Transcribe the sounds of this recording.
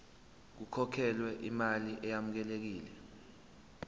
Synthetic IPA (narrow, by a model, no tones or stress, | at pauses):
k̬ukʰɔkʰɛlwɛʔḭmaliʔɛjamuk̬ɛlek̬iːlɛ